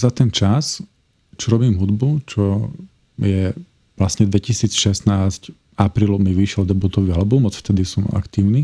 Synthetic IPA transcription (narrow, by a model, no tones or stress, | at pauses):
zat̪ɛnt͡ʃas | t͡ʃɔɾɔbiːmɦud̪but͡ʃɔ | jɛ | lasɲɛd̪ʋɛcisiːt͡sʃɛsnaːsc | apɾiːlɔʊmiʋiʃɛld̪ɛbut̪ɔʋialɛbumɔt͡sft̪ɛd̪isɔma̰kt̪iːʊni